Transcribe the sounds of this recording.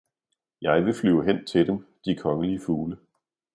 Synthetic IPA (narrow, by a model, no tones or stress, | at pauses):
jɑ̈ɪʋe̝flyʊ̰ɦen̰t͡sʰe̝d̥emd̥ikʰɒ̽ŋəliəfuːlə